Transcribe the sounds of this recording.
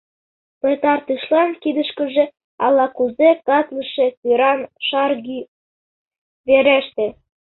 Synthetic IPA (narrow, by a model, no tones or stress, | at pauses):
pet̪ɑrt̪ɯʃlɑnkid̪ə̆ʃkə̆ʒĕ | ɑ̰lɑkuzekɑt̪ləʃĕtiɾɑnʃɑrɡi | βeɾæʃt̪ĕ